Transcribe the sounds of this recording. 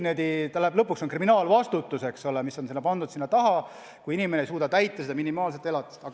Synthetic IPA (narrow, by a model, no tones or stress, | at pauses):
ned̪it̪ɑleblɤpːˑuksonkriminɑːlvɑst̪ut̪ːˑuse̞ksolemiso̞nsenːɑpɑnd̪ud̪sinːɑt̪ɑɦɑ | kuiinimeneejsuːd̪ɑt̪æjt̪ːˑɑsed̪ɑminimɑːlset̪ːˑe̞lɑt̪ːˑe̥st̪ɑɡ